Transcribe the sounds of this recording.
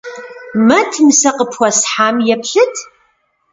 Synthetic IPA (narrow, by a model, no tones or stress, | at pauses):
mɐtʰnɨsɐqəpʰxʷɐsħaːmjɛpʰɬɨtʰ